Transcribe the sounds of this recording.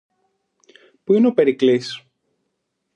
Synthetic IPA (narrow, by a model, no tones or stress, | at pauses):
puineope̞ɾiklis